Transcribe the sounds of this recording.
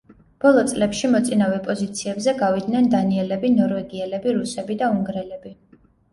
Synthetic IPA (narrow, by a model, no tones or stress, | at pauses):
b̥ɔlˠɔt̪sʼlɛpʃimɔt̪sʼinavɛpʼɔzit̪sʰiɛbzɛɡavid̪nɛnd̪aniɛlɛbinɔɾvɛɡiɛlɛbiɾusɛbid̪auŋɡɾɛlɛbi